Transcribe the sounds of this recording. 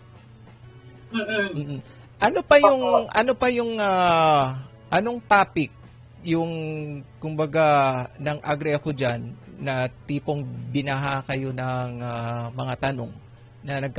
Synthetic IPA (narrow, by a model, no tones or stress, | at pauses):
m̩ː | ʔɐno̞pɐjʊŋʔɐno̞pɐjʊŋa | ʔɐno̞ŋt̪aːpɪk̚ | jʊŋkʊmbɐɡanɐŋʔaɡɾɛɐko̞d͡ʒanːɐt̪iːpoŋbɪnaɦakɐjo̞nɐŋamɐŋat̪ɐno̞ŋ | nɐnɐɡ̚k